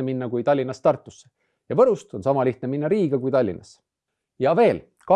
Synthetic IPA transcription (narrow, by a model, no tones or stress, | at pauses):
eminːɑkujt̪ɑlʲːinːɑst̪ɑrt̪ːˑu̥sːe̥ | jɑvɤɾust̪o̞nsɑmɑliht̪neminːɑɾiːɡ̥ɑkujt̪ɑlʲːḭnʔɑ̰s | jɑve̞ːl | kɑ